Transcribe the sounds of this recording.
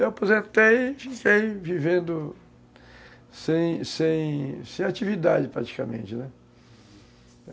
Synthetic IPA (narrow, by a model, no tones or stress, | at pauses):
apozẽnt̪ejfikejvivẽnd̪ʊ | sẽj̃sẽj̃sẽj̃at͡ʃivid̪ad͡ʒɪpɾa̰t͡ʃi̥kamḛ̃t͡ʃɪnɛ